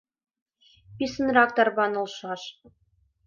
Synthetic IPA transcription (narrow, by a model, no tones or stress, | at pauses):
pʲisɤ̆nrɑk̚t̪ɑrbɑnɤ̆lˠʃɑʃ